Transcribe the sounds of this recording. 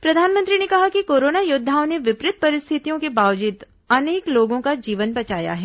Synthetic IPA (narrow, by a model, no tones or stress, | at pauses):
pɾɐd̪ʱaːnmə̃nt̪ɾinekɐɦakikoːɾoːnajʊd̪ʱːaːõneʋɪpɾɪt̪̚pɐɾɪst̪ʰɪt̪ijõkebaːʋd͡ʒɪt̪ | ɐneːkloːɡõkad͡ʒiːʋənbɐt͡ʃaːja̰ɦɛː